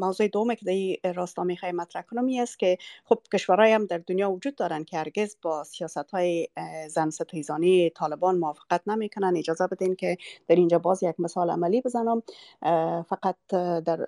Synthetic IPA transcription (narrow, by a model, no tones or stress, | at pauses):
mawzojɪd̪owʊmekɪd̪aiɾɔst̪ɔmexɔjemːat̪ɾahkʊnʊmiast̪̚kɪxob̚kɪʃwaɾɔjamd̪aɾd̪ʊnjɒwʊd͡ʒud̪̚dːɔɾankɪhaɾɡɪzbɔsijɑsat̪hɔjezansɪt̪izɔnit̪ʰɒlɪbɔnmʊwɔfɪ̥qat̪namekʊnaned͡ʒɒzabɪt̪enkɪd̪̥aɾind͡ʒɔbɔzjaɡmɪsɑla̰malibɪzanʊm | faqat̪̚d̪aɾ